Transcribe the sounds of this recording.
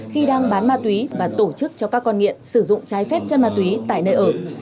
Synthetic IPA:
xi˧ɗaː˧ŋɓaː˨˦nmaː˧t̪wi˨˦vaː˨˩t̪o˧˩t͡ɕɨ˦˥k̚t͡ɕɔ˧kaː˦˥kːɔ˧nŋḭ˧˨əmsɨ˧˩zʊ̰˧˨ŋ͡mt͡ɕaː˨˦jfɛ˦˥p̚t͡ɕə˧nmaː˧t̪wi˨˦t̪a̰ː˧˨jnəː˧jʔəː˧˩

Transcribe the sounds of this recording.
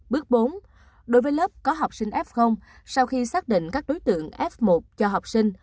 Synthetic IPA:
ɓɨ˦˥ək̚ɓo˨˦n | ɗo˨˦jvəː˨˦jləː˦˥p̚kɔ˨˦ɦa˨˩wk͡p̚sï˧ŋ̟ʔɛ˦˥p̚xə˧wŋ͡m | sa˧wxi˧saː˦˥k̚ɗḭ̈˧˨ŋ̟kaː˦˥k̚ɗo˨˦jt̪ɨ̰˧˨əŋʔɛ˦˥p̚mo˨˩t̚t͡ɕɔ˧ɦa˨˩wk͡p̚si˧ŋ̟

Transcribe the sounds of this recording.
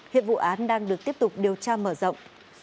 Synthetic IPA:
hḭ˧˨ənvṵ˧˨ʔaː˨˦nɗaː˧ŋɗɨ˨˩ək̚t̪i˦˥əp̚t̪ʊ˨˩k͡p̚ɗi˨˩əwt͡ɕaː˧məː˧˩zə̰˧˨wŋ͡m

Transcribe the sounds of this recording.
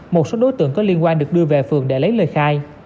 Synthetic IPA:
mo˨˩t̚so˨˦ɗo˨˦jt̪ɨ̰˧˨əŋkɔ˨˦li˧ənkwaː˧nɗɨ˨˩ək̚ɗɨ˧əve˨˩fɨ̰˨˩əŋɗe˧˩lə˨˦jləː˨˩jxaː˧j

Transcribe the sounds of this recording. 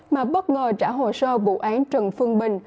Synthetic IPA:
maː˨˩ɓə˦˥t̚ŋəː˨˩t͡ɕaː˧˩ɦo˨˩səː˧vṵ˧˨ʔaː˨˦nt͡ɕə˨˩nfɨ˧əŋɓï˨˩ŋ̟

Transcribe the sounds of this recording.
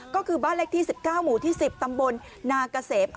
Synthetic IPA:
kɔː˥˩kʰɯː˧baː˥˩nle˦˥k̚t̪ʰiː˥˩si˨˩p̚kaː˥˩wmuː˨˩˦t̪ʰiː˥˩si˨˩p̚t̪a˧mbo˧nː | aː˧ka˧seː˩˦p̚ʔ

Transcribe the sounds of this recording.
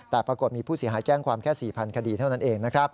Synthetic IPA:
t̪ɛː˨˩pɾa˧ko˨˩t̪̚miː˧pʰuː˥˩si˩˦ɦaː˩˦jt͡ɕɛː˥˩ŋkʰwaː˧mkʰɛː˥˩siː˨˩pʰa˧nkʰa˧diː˧˩t̪ʰa˥˩wna˦˥nʔeː˧ŋna˦˥kʰɾa˦˥p̚

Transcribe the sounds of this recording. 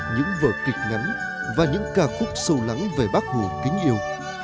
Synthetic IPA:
ɲɨ̰˧˥ŋvə̰ː˧˩kï˨˩k̟̚ŋa˨˦n | vaː˨˩ɲɨ̰˧˥ŋkaː˧˩xʊ˦˥p̚sə˧wla˨˦ŋve˧˨˩ɓa˦˥k̚hu˧˩kï˨˦ŋ̟ʔi˧əw

